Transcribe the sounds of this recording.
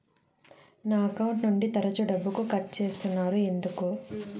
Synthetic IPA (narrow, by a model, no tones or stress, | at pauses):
naːɐkɐwuɳʈnuɳɖit̪ɐɾɐt͡ʃuɖɐbːukukɐʈt͡ʃe̞ːst̪unːaːɾue̞nd̪uku